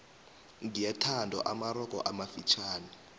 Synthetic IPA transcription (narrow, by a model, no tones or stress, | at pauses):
ŋdijatʰandʱɔ̰ʔamaɾɔkɔ̰ʔamafit͡ʃʰaːni